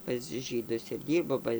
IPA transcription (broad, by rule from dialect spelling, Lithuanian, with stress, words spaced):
pɐs ˈʒʲiːdʊs ɪr ˈdʲiːrboː ˈbɐ